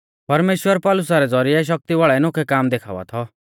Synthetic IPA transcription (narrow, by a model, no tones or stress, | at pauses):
pɐɾmeːʃwəɾpɔlʊs̬aɾɛd͡zɔɾiɛʃ̬ɐk̚t̪iʋaɭɛnʊkʰɛkaːmd̪ekʰa̰ːʋa̰t̪ʰɔ